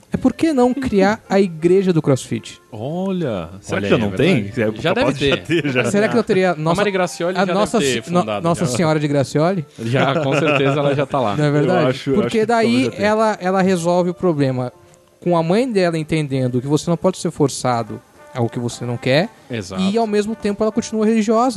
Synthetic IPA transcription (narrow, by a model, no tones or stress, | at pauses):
ɛpoɾkenɐ̃w̃kɾiaɾɐiɡɾeʒɐd̪ʊkɾɔsfḭt͡ʃɪ̥ɔlɐ̰seɾaɪɛlɐnɐ̃wɾt̪ẽj̃ɛʒad̪ɛvɪet̪eʒaseɾakɪnɐ̃t̪eɾiɐnɔ̃saɐɪɡɾasiɔlansɐfɔd̪anɔsɐsĩɲɔɾɐd͡ʒɪɡɾasiɔlɪʒakõsseɾt̪ezɐɛlɐʒat̪ala̰ɛveɾd̪ad͡ʒɪpʊɾɾaked̪aiɛlɐʔɛlɐɦezɔwvɪʊpɾoblẽmɐ | kõɐmɐ̃j̃d̪ɛlɐẽnt̪ẽnd̪ẽnd̪ʊkɪvosenɐ̃w̃pɔd͡ʒɪ̥seɾfoɾsad̪ʊ̰ | aʊkɪvosenɐ̃w̃kɛɾ | ezaɪawmezmʊt̪ẽmpʊɛlɐkõt͡ʃinuɐheliʒiɔzɐ